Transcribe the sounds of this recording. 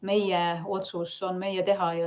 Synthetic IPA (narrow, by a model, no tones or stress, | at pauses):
me̞jɛot̪susonmejɛt̪e̞ɦɑjɑ